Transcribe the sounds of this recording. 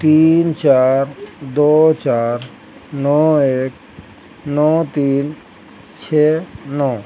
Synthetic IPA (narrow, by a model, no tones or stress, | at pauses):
t̪int͡ʃaɾd̪ot͡ʃaɾ | nɔek | nɔt̪in | t͡ʃʰɛnɔ